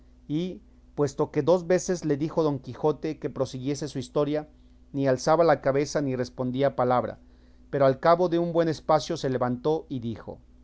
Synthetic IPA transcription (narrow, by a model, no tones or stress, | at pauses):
i | pwe̞st̪o̞ke̞ðo̞zβe̞se̞zle̞ðixo̞ðo̞ŋkixo̞t̪e̞ke̞pɾo̞siɣje̞se̞suist̪o̞ɾja | nialsaβalakaβe̞sanire̞spo̞nd̪iapalaβɾa̰ | pe̞ɾo̞alkaβo̞ðe̞umbwe̞ne̞spasjo̞se̞le̞βant̪o̞ʔiðixo̞̰